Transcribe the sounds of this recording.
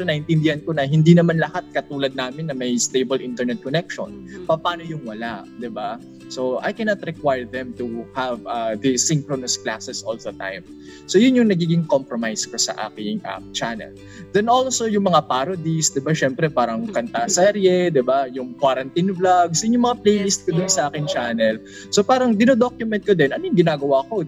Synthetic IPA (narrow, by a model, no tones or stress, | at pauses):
onɐhɪnt̪ɪnd̪ɪhɐnkonɐɦɪnd̪inɐmanlɐhat̪̚kɐt̪uːlɐd̪̚naːmɪnːɐmɐjst̪ejbɐlʔɪ̃nt̪ɛɹnɛt̪̚konɛk̚ʃo̰npɐpaːno̞jʊŋwɐlaʔd̪ɪba | soʔa̰jkɛnɐt̪ɾɛkwajɹðɛ̃mt̪uhavɐðisɪŋkɾonɐsklasɛsʔolðɐt̪ã̰jm | sojʊnjʊŋnɐɡiːɡɪŋkompɾomajskosɐ̰ʔa̰ːkɪŋʔɐ̰t͡ʃanɛ̰l | d̪ɛnolsojʊŋmɐŋapaɾod̪isd̪ɪbaʃɛmpɾɛpaːɾɐŋkɐnt̪asɛɾjɛd̪ɪbajʊŋkwaɾɐnt̪inblaɡsɐʔɪɲomɐŋaplejlist̪̚kod̪ʊnsɐʔaːkɪŋt͡ʃaːnɛl | sopaːɾɐŋd̪ɪnod̪okjʊmɛnt̪̚kod̪ɛnʔɐnojʊŋɡɪnaːɡɐwaːko̞